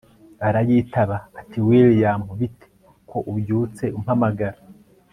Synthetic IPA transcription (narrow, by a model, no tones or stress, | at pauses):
aɾajiːtaβaːtiwiljaːmhoβitʰe̥ | kʰo̞ʔubjuːt͡se̞um̥hamaɡaɾa